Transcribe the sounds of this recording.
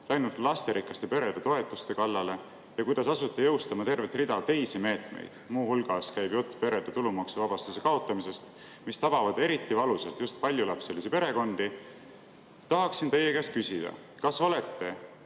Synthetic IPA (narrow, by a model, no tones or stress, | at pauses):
læjnud̪lɑst̪e̞ɾʔikːˑɑst̪epe̞ɾe̞d̪et̪o̞e̞t̪ːˑust̪e̞kɑlːɑle̞ | jɑkujd̪̥ɑsɑsut̪ːˑejɤwst̪ɑmɑt̪e̞rve̞t̪rid̪̥ɑt̪e̞jsime̞ːt̪me̞̰jd̪̥muːhulɡ̥ɑskæjbjot̪ːˑu̥pe̞ɾe̞d̪̥et̪ulumɑksuvɑb̥ɑst̪usekɑo̞t̪ˑːɑmise̞st̪ | mist̪ɑb̥ɑvɑd̪̥e̞ɾit̪ˑːivɑluselt̪just̪̚pɑlʲjulɑpse̞lisipe̞ɾe̞ko̞nd̪̥i | t̪ɑɦɑksint̪e̞jːekæs̚kysid̪̥ɑ̰ | kɑso̞le̞t̪ːe̞